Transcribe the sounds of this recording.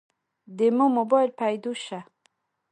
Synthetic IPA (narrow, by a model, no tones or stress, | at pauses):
d̪emomobɔjlpʰajd̪uʃa